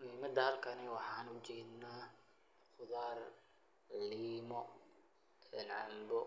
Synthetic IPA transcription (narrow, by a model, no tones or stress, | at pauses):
liːmɐd̪ɐhɐlkʰɐnɪwɑħɑːnʊt͡ʃɛːd̪naː | χʊðaːr | ʕɪliːmɔ | ɛnʕɑ̰mbɔ